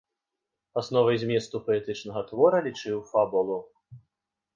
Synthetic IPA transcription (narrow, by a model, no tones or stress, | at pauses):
asnɔvɐjzʲmʲɛst̪upɐɛt̪ɨt͡ʂnɐɣɐt̪vɔɾɐlʲit͡ʂɨwfabulˠu